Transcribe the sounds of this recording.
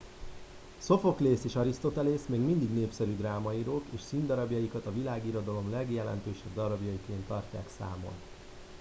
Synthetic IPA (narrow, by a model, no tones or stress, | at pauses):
so̞fo̞kleːseːʃɒɾist̪o̞t̪ɛleːsmeːɡmind̪iɡneːpsɛɾyd̪raːmɒiɾoːkeːʃsind̪ɒɾɒbjɒjikɒt̪ɒvilaːɡiɾo̞d̪ɒlo̞mlɛɡjɛlɛ̰nt̪øːʃɛb̚d̪ɒɾɒbjɒjikeːnt̪ːɒrca̰ːksa̰ːmo̰n